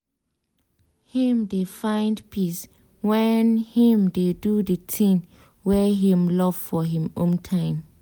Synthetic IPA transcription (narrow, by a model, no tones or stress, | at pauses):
hĩmdefãɪ̃ndpʰis | wɛnhĩmdedudətʰĩŋ | wɛɦĩmlɔv̥fɔɦĩmõmtʰãɪ̃m